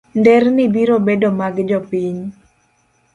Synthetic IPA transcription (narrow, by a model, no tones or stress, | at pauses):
ndɛrnibiɾobedomaɡd͡ʒɔpiɲ